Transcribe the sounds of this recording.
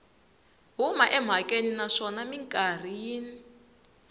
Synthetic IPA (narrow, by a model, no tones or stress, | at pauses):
ɦumaʔɛm̤akʼeninaʂɔnamiŋkʼar̤ijiːni